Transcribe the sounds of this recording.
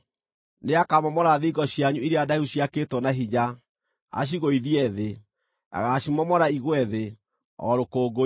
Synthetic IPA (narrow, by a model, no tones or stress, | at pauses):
neakamɔmɔɾaðiiɡɔɕjaɲuiɾeadauɕiaketwɔnaɦiɲa | a̰ɕ̬iɣoiðiɛðe | a̰ɣaɕimɔmɔɾaiɣwɛðe | ɔ̰ɾokoːɡo